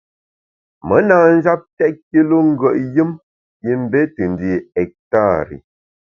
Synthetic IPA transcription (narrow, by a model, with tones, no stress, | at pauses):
mə˨˦na˨n̩˦za˦p̚tɛ˦ʔ̚ki˦lo˦ŋ̩˦ɡə˨ʔjɨ˦m | ji˦m˦be˦tɨ˨n˨di˨ɛ˨k̚ta˦˨ɾḭ˨